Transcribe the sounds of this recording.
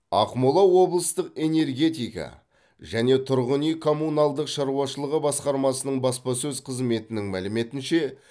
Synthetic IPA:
ɑ̰qmolˠɑwo̞blˠəst̪əqe̞ne̞ɾɡʲe̞t̪ijkɑ̰ | ʒæne̞t̪ʰʊɾʁənijkʰo̞mːunɑlˠd̪əqʃɑɾuwɑʃəlˠəʁəbɑsqɑɾmɑsənəɴbɑspɑsɵzqʰəzme̞t̪ɪnɪŋmælɪme̞t̪ɪnʃe̞

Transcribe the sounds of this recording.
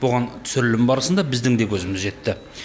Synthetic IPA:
boʁɑnt̪ʰʏ̥sʏɾɪlɪmbɑɾəsənd̪ɑbɪzd̪ɪŋd̪e̞kʲʰɵzɪmɪzʒe̞t̪ːɪ

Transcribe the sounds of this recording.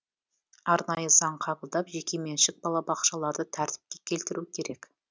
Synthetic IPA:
ɑɾnɑjəzɑɴqʰɑbəlˠd̪ɑpʒe̞kʲe̞me̞nʃɪk̚bɑlˠɑbɑqʃɑlˠɑɾd̪ət̪ʰæɾt̪ɪ̥p̚kʲekʲʰe̞lt̪ɪɾukʲʰe̞ɾe̞k

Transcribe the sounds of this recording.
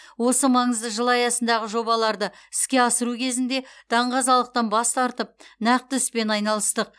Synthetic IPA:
wo̞səmɑɴəzd̪əʒəlˠɑjɑsənd̪ɑʁəʒo̞bɑlˠɑɾd̪əɪ̥skʲe̞ɑsəɾukʲʰe̞zɪnd̪e̞t̪ʰɑɴʁɑzɑlˠəq̚t̪ɑnbɑst̪ɑɾt̪əp̚næq̚t̪ɪʏspe̞nɑjnɑlˠəst̪əq̚

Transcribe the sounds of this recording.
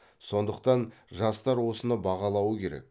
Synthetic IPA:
so̞nd̪əqt̪ɑnʒɑst̪ɑɾwo̞sənəbɑʁɑlˠɑwəkʲʰe̞ɾḛk̚

